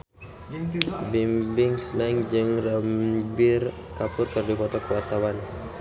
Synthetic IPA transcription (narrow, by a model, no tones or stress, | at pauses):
bimbɪŋslaŋd͡ʒɨŋrəmbɪr | kapʊrkərdibɔt̪ɔkəwat̪awan